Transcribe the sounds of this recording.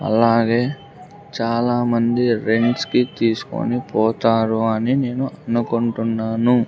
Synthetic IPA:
ɐ̰laːɡeː | t͡ʃaːlaːmɐnd̪iɾe̞ɳʈskit̪iːsu̥ko̰nipɔːt̪aːɾuɐnine̞ːnuʔɐnukuɳʈunːaːnu

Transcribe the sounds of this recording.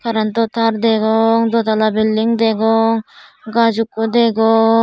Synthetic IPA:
kaɾant̪ot̪ʰaɾd̪eɡɔŋd̪ot̪alabilːiŋd̪eɡɔŋɡad͡ʒukːod̪eɡɔ

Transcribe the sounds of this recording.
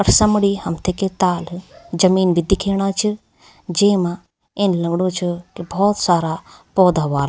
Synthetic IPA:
ɐɾsɐmɽihɐmt̪ʰeket̪aːld͡ʒɐmiːnbid̪ikʰeːɽ̃aːt͡ʃʰi | d͡ʒeːmã | enlɐŋɡɽõt͡ʃʰukibʱɔːt̪saːɾapɔːd̪aːʋaːl

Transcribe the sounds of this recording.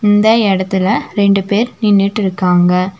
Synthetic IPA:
ɪnd̪ɐɛɽɐt̪ːɪlɐɾɛɳɖɯpeːɾnɪnːɪʈːɪɾɯkːaːŋɡɐ

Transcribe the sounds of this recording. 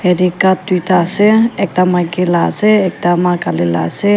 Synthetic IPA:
heɾikap̚t̪wit̪aseek̚t̪amakilaseek̚t̪amakalila̰se

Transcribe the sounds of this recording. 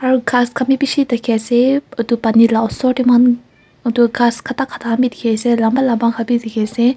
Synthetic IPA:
aɹɡaskʰamipiʃit̪akʰɛset̪upanilaʔsɔʈiman | t̪uɡaskʰat̪akʰːat̪aamit̪ikʰɛsɛlambalabaŋkʰapit̪ikʰɛse

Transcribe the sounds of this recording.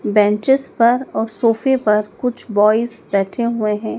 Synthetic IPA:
bɛ̃ːɲt͡ʃɪzpɐɾɔːɾsoːfepɐɾkʊt͡ʃʰbɔːɪzbɛːʈʰeɦʊeɦɛ̃ː

